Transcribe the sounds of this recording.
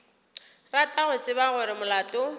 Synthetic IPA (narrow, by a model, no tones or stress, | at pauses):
ratʼaɣʊt͡sʼɪbaɣʊɾɪmʊlaːtʼʊ